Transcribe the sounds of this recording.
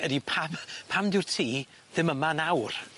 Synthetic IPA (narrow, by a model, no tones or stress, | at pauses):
ədipʰampʰamdɪwrtʰiː | ðɪməmanawr